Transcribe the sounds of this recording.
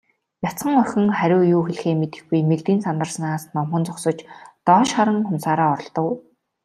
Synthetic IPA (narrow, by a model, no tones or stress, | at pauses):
jat͡sχə̆ŋœxʲɪ̆ŋχæɾʲʊːjuːxeɮxeːmet̪ɘ̥̆xɡujmekt̪iːnsamt̪ə̆rsnaːsnɔmχə̆nt͡sʊksɞ̆t͡ɕt̪ɔːʃχaɾə̆ŋχʊmsaːɾaːɔɾɞ̆ɮt̪ɞ̆w